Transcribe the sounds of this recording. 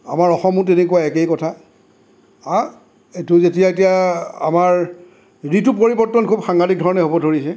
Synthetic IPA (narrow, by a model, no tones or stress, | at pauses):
a̰maɹɔxɔmʊ̃tenekuwaɛkejkɔtʰa | a | etʊzetijaetijaa̰maɹ | ɹitʊpoɹibɔɹtːɔnkʰubxaŋɡadik̚dʱɔɹɔnɛɦobɔdʱoɹisɛ